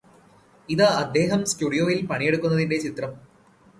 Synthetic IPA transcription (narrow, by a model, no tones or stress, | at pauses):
iðɨɐd̪ʱːe̞ːɦɐmskuɽijo̞ːjilpɐɳijeɽukːunːɐðinde̞t͡ɕit̪rɐm